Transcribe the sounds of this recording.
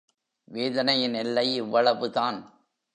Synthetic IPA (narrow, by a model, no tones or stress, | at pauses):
ʋeːðɐnɐjɪnɛlːɐɪɪʋːɐɭɐʋɯðaːn